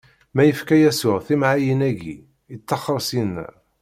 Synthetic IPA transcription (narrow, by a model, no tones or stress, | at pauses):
mæjəfkæjæsʊʁθimʕajənæɡḭ | ət͡sːɑχəɾˤsinːæ̰